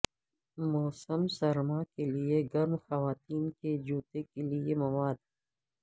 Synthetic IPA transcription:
mɔːsəmsɐɾmakelieɡɐɾmxɐʋaːt̪iːnked͡ʒuːt̪ekeliemɐwaːd̪

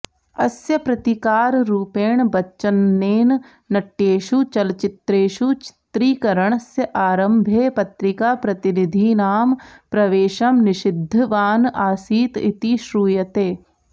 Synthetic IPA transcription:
ɐsjəpɾɐt̪ikaːɾɾuːpeːɳbɐtːt͡ʃənːeːnː | ɐʈːeːʃut͡ʃɐlt͡ʃɪt̪ɾeːʃut͡ʃɪ̥t̪ɾiːkɐɾəɳ̃əsjɐʔaːɾəmbʱeːpɐt̪ɾɪkaːpɾɐt̪ɪnɪd̪ʱinaːmpɾɐʋeːʃɐmnɪʃɪd̪ʱːʋaːnaːsiːt̪ɪ̰t̪iʃɾuːjɐt̪eː

